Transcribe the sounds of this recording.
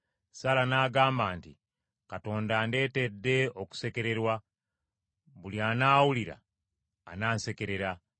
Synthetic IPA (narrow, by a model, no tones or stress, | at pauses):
salanaːɡaːmbaːnti | kato̞ːndaːnde̞ːte̞dːe̞o̞ku̥se̞ke̞ɾe̞ɾwa | βuliaːnaːwuliɾa̰ː | naːnse̞ke̞ɾe̞ɾa